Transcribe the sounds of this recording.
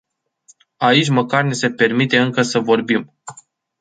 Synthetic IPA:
ait͡ʃʲməkarnese̞pe̞rmit̪e̞ɨŋkəsəvo̞rbim

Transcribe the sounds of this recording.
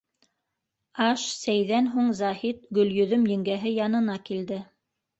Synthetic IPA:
ɑʃsæjðænɦuɴzɑhit̪ɡɵ̆ljɵ̆ðɵmjɘ̆ŋɡæɦɘjɑnɤ̆nɑkild̪ɘ

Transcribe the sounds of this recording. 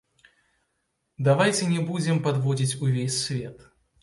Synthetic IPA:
d̪avajt͡sʲɛnʲɛbud͡zʲɛmpad̪vɔd͡zʲit͡sʲuvʲesʲsvʲɛt̪

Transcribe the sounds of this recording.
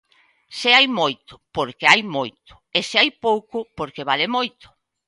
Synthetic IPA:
seajmojt̪ʊ̥poɾkeajmojt̪ʊ̥eseajpowkʊpoɾkeβalemojt̪ʊ̥

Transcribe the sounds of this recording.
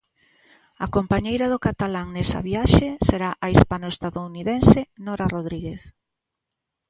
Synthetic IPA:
akompaɲejɾaðʊkat̪alaŋnesɐ̰βiaʃeseɾaʔaispanoest̪aðouniðensenoɾaroðɾiɣeθ

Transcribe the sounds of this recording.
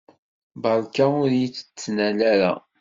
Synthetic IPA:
bəlˤkaʊɾjit͡sːə̥t͡sːnælæɾa̰

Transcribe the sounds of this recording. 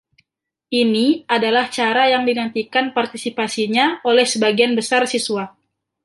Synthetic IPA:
ʔiniadalaht͡ʃaɾajaŋdinant̪ikanpart̪isipasiɲaolɛhsəbaɡianbəsarsisuwa

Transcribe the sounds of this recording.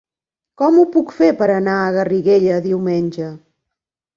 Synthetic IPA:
kɔmupukfeɾpəɾənaəɣəriɣeʎəðiwmenʲʒə

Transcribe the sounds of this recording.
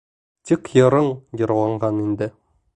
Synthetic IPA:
t̪ikjɤ̆ɾɤɴjɤ̆ɾlˠɑɴɢɑnind̪ɘ

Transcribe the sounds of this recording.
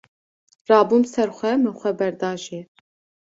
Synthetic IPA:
rɑːbuːmsɛɾxʷɛmɨxʷɛbɛɾd̪ɑːʒe

